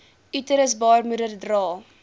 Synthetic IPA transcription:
ʔytəɾəsbɑːrmuɾərdrɑː

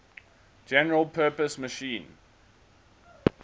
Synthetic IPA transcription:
d͡ʒɛnəɹəlˠpʰɜːˑpəsməʃĩːn

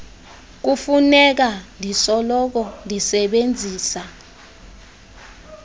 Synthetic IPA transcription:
k̬ufunɛk̬andʱisɔlɔk̬ɔndʱisɛɓend͡zʱiːsa

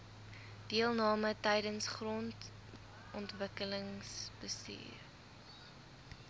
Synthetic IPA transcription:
d̥iəlˠnɑːmətɛjdənsχrɔnt | ɔntvəkələŋsb̥əstḭːr

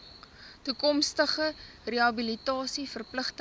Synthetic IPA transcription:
tukɔmstəχə | reɐbilitɑːsifərpləχtə

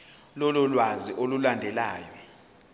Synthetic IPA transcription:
lɔlɔlwaziʔolulandʱɛlaːjɛ

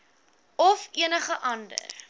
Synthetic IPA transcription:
ɔfiənəχəʔɐndə̰r

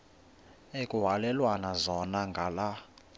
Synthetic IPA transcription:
ekʼuɦalɛlwanazɔnaŋɡʱala

